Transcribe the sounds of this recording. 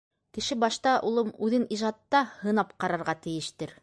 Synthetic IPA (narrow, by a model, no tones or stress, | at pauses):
kɘ̆ʃɘbɑʃt̪ɑʔulˠɤmʉðɘniʒɑt̪ːɑhɤ̆nɑpqɑɾɑɾʁɑt̪ɘ̆jɘ̆ʃt̪ɘɾ